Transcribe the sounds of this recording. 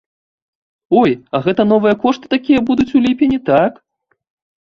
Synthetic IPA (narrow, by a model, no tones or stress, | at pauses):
ɔjɐɣɛt̪ɐn̪ɔvɨjɐkɔʂt̪ɨ̥t̪akʲijɐbud̪ut͡sʲulʲipʲenʲit̪ak